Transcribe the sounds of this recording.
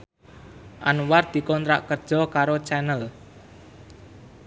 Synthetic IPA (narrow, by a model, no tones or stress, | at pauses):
ʔanward̪̥i̤kɔnt̪ɾa̰ʔkərd̥ʒ̥ɔ̤kaɾot͡ʃɛnəl